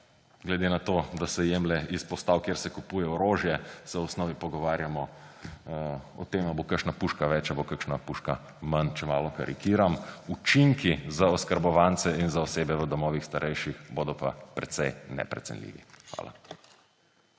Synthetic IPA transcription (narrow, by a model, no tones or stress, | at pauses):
ɡlɛd̪enat̪oːd̪asɛjemlɛispɔst̪awkjeːɾsɛkupuːjɛɔɾoːʒjɛsɛwɔsnɔːʋipɔɡɔʋaːɾjamɔ | ɔ̰t̪emabokəʃnapuʃkaʋɛt͡ʃabokəkʃnapuʃka | mant͡ʃɛmaːlɔka̰ɾʔḭkiːɾamut͡ʃiŋkizaɔskəɾbɔʋant̪sɛinzaɔseːbɛʋəd̪ɔmɔːʋixst̪aɾʔɛjʃixboːd̪ɔpa̰pɾɛt̪sɛjnɛ̰pɾɛ̰t̪sɛ̰nlḭːʋḭxʋa̰ːla̰